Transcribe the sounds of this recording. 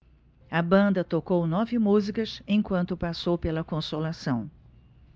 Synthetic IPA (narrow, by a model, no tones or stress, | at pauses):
ɐbɐ̃nd̪ɐt̪okownɔvɪmuzikɐsẽj̃kwɐ̃nt̪ʊpasowpelɐkõsolasɐ̃w̃